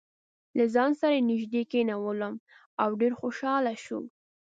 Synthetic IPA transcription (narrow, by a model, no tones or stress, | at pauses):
lazɑnsaɾanɪʒd̪ekenawələm | awɖeɾxoʃɑlaʃṵ